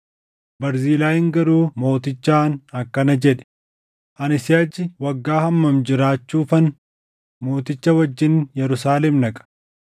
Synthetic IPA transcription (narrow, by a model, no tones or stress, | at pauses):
bɐɾziːlaːhɪŋɡɐɾuːmo̞ːt̪ɪt͡ʃːaːnɐkːɐnɐd͡ʒɛᶑɛ̥ | ʔɐnɪsɪɐd͡ʒɪwɐɡːaːhɐmːɐmd͡ʒɪɾaːt͡ʃːuːfɐn | mo̞ːt̪ɪt͡ʃːɐwɐd͡ʒːɪnjɛɾʊsaːlɛmnɐkʼɐ̥